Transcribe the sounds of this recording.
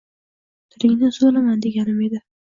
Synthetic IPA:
t̪ʰɪɾɪŋnɪsolamand̪e̞ɡʲanɪme̞d̪ɪ

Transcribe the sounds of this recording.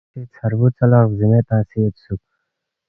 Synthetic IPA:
it͡sʰɐɾbut͡sɐlazimet̪aːsiet̪suk̚

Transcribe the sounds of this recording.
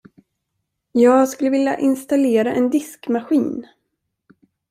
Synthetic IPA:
jɑːɡskɵlːəvɪlja̰ʔɪnst̪aleːɾaʔɛnd̪ɪskmaɧiːn

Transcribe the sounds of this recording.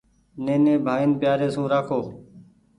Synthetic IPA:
nẽːnẽːbʱaːɪnbɪjaːɾeːsũːɾaːkʰoː

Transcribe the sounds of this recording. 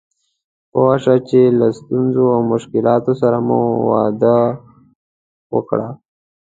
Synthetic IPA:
powaʂat͡ʃelast̪unzoawmʊʃkɪlɑːt̪osaɾamṵwɑ̰d̪a | wə̰kɽa

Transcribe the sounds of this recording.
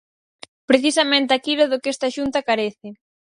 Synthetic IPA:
pɾeθisɐmẽnt̪ɪakiɾoðʊkɛst̪aʃunt̪ɐkaɾeθɪ

